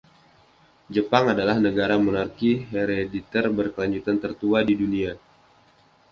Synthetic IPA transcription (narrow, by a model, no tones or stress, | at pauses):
d͡ʒəpaŋadalahnəɡaɾamonarkiɦeɾedit̪ərbərkəlaɲd͡ʒut̪ant̪ərt̪uadidunia